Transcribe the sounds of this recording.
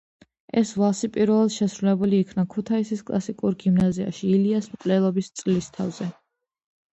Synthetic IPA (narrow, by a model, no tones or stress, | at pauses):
ɛsvˠasipʼiɾvɛlˠad̪ʃɛsɾulɛbuliːkʰnakʰut̪ʰaisiskʼlˠa̰sikʼuɾɡimnazia̰ʃiːliasmkʼlɛlˠɔbist̪sʼlist̪ʰavz̥ɛ